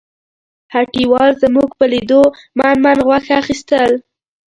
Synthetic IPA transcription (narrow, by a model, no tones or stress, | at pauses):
haʈiwɑlzəmuɡpəlid̪o | manmanɣwaxaxist̪əl